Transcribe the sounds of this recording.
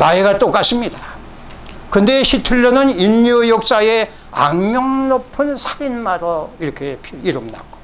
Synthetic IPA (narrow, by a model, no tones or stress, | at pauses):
naeɡat͈ok͈as͈ɯmɲida | kɯnde̞ɕʰitʰuʎːonɯnimɲijok̚s͈ae | a̰ŋɲjʌŋnopʰɯnsʰaɾinmaɾoiɾʌkʰepʰiiɾɯmna̰ɡo̥